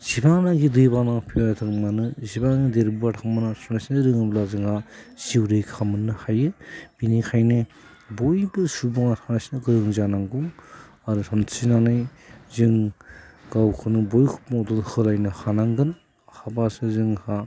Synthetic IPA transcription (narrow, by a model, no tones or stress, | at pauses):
z̥ibanaɡidɯjbanaŋpʰiwatʰɯŋmanɯzibannideɾbuatʰaŋmɯnasunasinɾɯŋɯblazɯŋhasiwɾɯjkʰamɯnːɯhajɯb̥inikʰajnɯ | bojbɯsubaŋatʰanasnɯɡɯɾɯŋzanaŋɡuŋ | aɾutʰansʰinanɯjzɯŋ | ɡawkʰɯnɯbojkʰu̥pmawdɯnhɯlajnɯhanaŋɡɯn | habasɯzɯŋha